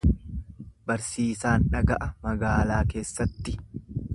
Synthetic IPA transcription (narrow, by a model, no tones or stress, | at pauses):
bɐɾsiːsaːnᶑɐɡɐʔɐmɐɡaːlaːke̞ːsːɐt̪ːɪ